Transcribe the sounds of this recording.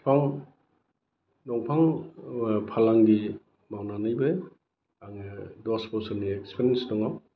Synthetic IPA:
pʰaŋ | nɔŋpʰaŋ | pʰalaŋdi | mawnanajbɯj | aŋdɔspɔsɔniekspʰeɾensdɔŋaw

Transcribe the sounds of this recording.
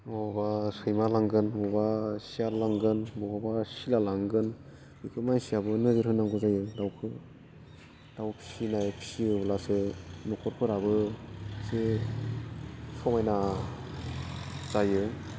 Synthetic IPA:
mɔɔbasɯjmalaŋɡɯnmɔbasijalaŋɡɯnbɔhɔbasilalaŋɡɯn | ikʰɯmansiabɯnɯzɯɾɦɯnːaŋɡɯzajɯdawkʰɯ | d̥awpʰi̥sinajpʰi̥siɯblasɯnɔkʰɔɾkʰɯɾabɯse | sɔmajna | z̥ajɯ

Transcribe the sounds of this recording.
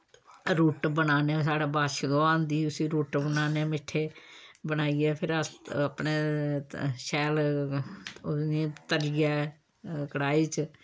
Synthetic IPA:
ɾuːʈbənaːnes̬aːɽaːbaːʃd̪oːãːnd̪iːʊsiːɾuːʈbənaːneːmɪʈʰːeːbənaːiɛːpʰɪɾəsəpneː | ʃɛːl | nĩːt̪əɾijɛː | kəɽaːiːt͡ʃ

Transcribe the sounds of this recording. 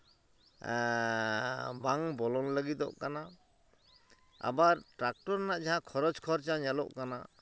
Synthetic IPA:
baŋbɔlɔnləɡit̪ɔ̰ʔkana | a̰baɾʈɾak̚ʈɔɾnaʔd͡ʒaɦãkʰɔɾɔd͡ʒkʰɔɾt͡ʃaɲɛlɔ̰ʔkana̰

